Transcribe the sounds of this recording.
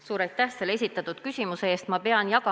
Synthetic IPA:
suːɾɑjt̪ˑːæhse̞lee̞s̬ʲit̪ːˑɑt̪ud̪̥kysʲimuseeːst̪mɑpe̞ɑnjɑkɑ

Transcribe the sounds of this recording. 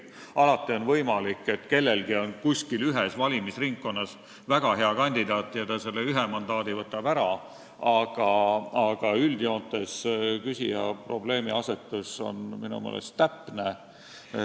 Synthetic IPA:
ɑlɑt̪ːˑio̞nvɤjmɑlikːˑe̞t̪ːke̞lːe̞lɡ̥io̞nkusʲkilyɦesvɑlʲimisriŋkːo̞nːɑs | væɡ̥ɑɦe̞ɑkɑnʲd̪id̪̥ɑːt̪ːˑjɑt̪ɑse̞lːeyɦemɑnd̪̥ɑːd̪ivɤt̪ːˑɑbæɾɑ | ɑɡ̥ɑɑɡ̥ɑyld̪io̞ːt̪ːˑe̞skysʲijɑ̰pro̞̰ble̞ːmiɑse̞t̪ːˑuso̞̰nminṵmḛːlḛst̪ːæpːˑne

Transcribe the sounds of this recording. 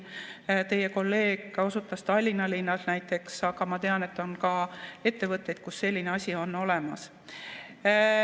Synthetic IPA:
t̪e̞je̞ko̞lːe̞ːɡo̞sut̪ːˑɑst̪ɑlʲːinɑlinːɑlnæjt̪ːˑe̞ksɑɡ̥ɑmɑt̪e̞ɑne̞t̪ːˑo̞nkɑe̞t̪ːe̞vɤt̪ˑːe̞jd̪̥̚kusːe̞lʲːineɑsʲio̞nːo̞le̞mɑs

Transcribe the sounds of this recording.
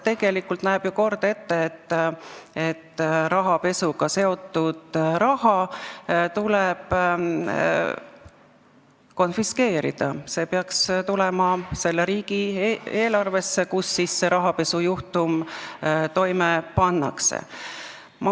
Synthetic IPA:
t̪e̞ɡ̥e̞likːult̪næːb̥juko̞rd̪̥e̞t̪ːeːt̪ːet̪ːɾɑɦɑpe̞suɡ̥ɑse̞o̞t̪ːˑud̪̥ɾɑhɑ | t̪uleb̥ | ko̞nfiske̞ːɾḭd̪̥ɑ̰se̞ːpeɑkst̪ulɛmɑse̞lːeɾiːɡ̥ie̞ːlɑrve̞sːe̞kusːisːe̞ɾɑɦɑpe̞sujuht̪um | t̪o̞jmepɑnːɑ̰ksḛ | m

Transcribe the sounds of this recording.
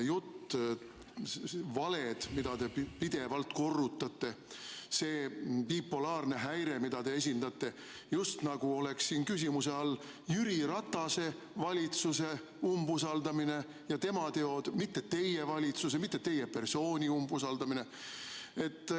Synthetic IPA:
jut̪ː | vɑle̞d̪̥mid̪̥ɑt̪e̞pid̪̥e̞vɑlt̪ko̞rːut̪ːˑɑt̪ːe̞ | se̞ːpiːpːolɑːrne̞ɦæjɾe̞mid̪̥ɑd̪e̞es̬ʲind̪̥ɑt̪ːˑe̞ | just̪nɑɡ̥uo̞le̞ksːiːnkys̬ʲimuse̞ɑlː | jyɾiɾɑt̪ːˑɑse̞ | vɑlʲit̪suse̞ | umbusɑld̪ɑmine̞ | jɑt̪e̞mɑt̪e̞o̞d̪̥mit̪ːet̪e̞jevɑlʲit̪sus̬emit̪ːˑet̪ːe̞je̞pe̞rso̞ːnʲiumbusɑld̪̥ɑmine̞ | e̞t̪ːˑ

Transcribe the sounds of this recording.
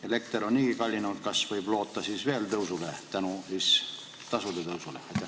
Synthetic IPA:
ele̞k̚t̪eɾonniːikɑlʲːinut̪̚kɑsvɤjb̥lo̞ːt̪ːɑsiːsve̞ːlt̪ɤwsulet̪ænusiːs | t̪ɑsud̪et̪ɤwsulḛɑjt̪ːˑæ

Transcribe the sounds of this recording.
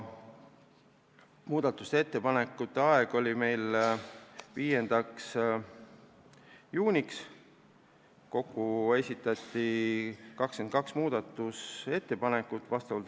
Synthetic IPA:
muːd̪̥ɑt̪ːˑu̥st̪eet̪ːe̞pɑnekˑːut̪ːeɑeɡ̥o̞lʲime̞jl | viːje̞nd̪̥ɑks | juːnʲiks | ko̞kːue̞sʲit̪ːˑɑt̪ʲːˑikɑkskenkɑksmuːd̪ɑt̪ːˑuse̞t̪ːe̞pɑne̞kːˑut̪ːˑvɑst̪ɑvɑlt̪

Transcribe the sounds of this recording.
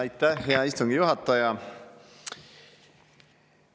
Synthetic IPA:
it̪ːæheɑist̪uŋɡijuhɑt̪ːɑjɑ

